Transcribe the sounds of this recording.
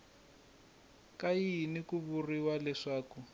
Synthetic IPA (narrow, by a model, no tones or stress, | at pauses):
kainikuβuriwalɛʂaːku